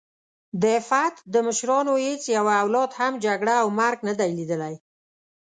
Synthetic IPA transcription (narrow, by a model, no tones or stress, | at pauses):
d̪əfat̪d̪əməʃɾɑnohet͡sjawaːwlɑd̪hamd͡ʒaɡɽaːwmaɾɡnəd̪ajlid̪əlaj